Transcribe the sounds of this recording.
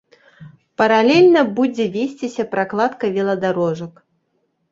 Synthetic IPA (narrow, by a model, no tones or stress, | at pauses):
pɐɾalʲɛlʲnɐbud͡zʲɛvʲesʲt͡sʲisʲɐpɾaklˠat̪kɐvʲɛlˠɐd̪aɾɔʐɐk